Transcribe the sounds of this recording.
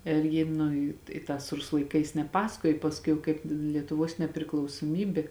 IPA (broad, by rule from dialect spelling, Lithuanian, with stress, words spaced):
ɪr ˈjɪ nʊ ɪ ɪ ˈtɑːs ˈrʊsʊ lˠɐɪˈkɐɪs nʲɛˈpɑːsɐkoːjoː pɐsˈkʊɪ jɛʊ ˈkɐɪp lʲiɛtʊˈʋoːs nʲɛpʲrʲɪklˠɐʊsuɔˈmʲiːbʲeː